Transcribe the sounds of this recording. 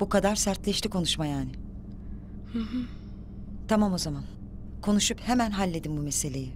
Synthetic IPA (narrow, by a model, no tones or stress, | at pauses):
b̥ukad̪aɾsæɾt̪lʲɛʃt̪ikʰo̞nuʃmajaːnɪ | t̪ʰamamo̞zaman | kʰo̞nuʃuphemænɦalʲːe̞d̪inbumese̞lʲe̞ji